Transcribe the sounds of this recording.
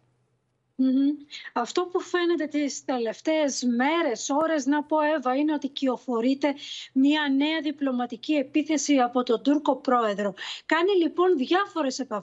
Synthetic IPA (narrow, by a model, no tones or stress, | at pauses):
m̩ɐft̪o̞pufe̞ne̞t̪e̞t̪ist̪e̞le̞ft̪e̞ːzme̞ɾe̞so̞ɾe̞znɐpo̞e̞vɐine̞o̞t̪icio̞fo̞ɾit̪e̞mɲiɐne̞ɐðiplo̞mɐt̪icie̞piθe̞siɐpo̞t̪o̞nd̪uɾko̞pɾo̞e̞ðɾo̞kɐnilipo̞nðʝɐfo̞ɾe̞se̞pɐ